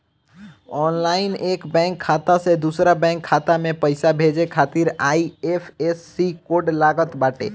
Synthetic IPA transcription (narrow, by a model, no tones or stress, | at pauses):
ɔːnlaːɪneːkbɛ̃ːŋkʰːaːt̪ased̪uːsɾabɛ̃ːŋkʰːaːt̪amẽpəɪsabʱed͡ʒekʰaːt̪iɾaːiepʰesːikoːɖlaːɡət̪baːʈḛː